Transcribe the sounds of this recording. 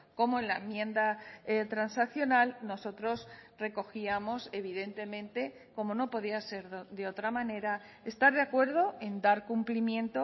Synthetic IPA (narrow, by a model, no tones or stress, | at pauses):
ko̞moe̞nlaemjẽ̞nd̪at̪ɾansakθjo̞nalno̞so̞t̪ɾo̞sre̞ko̞xiamo̞se̞β̞iðe̞nt̪e̞mẽ̞nt̪e̞ | ko̞mo̞no̞po̞ð̞iase̞ɾd̪e̞o̞t̪ɾamãne̞ɾa | e̞st̪aɾðeakwe̞ɾð̞o̞e̞nd̪aɾkumplimjẽ̞nt̪o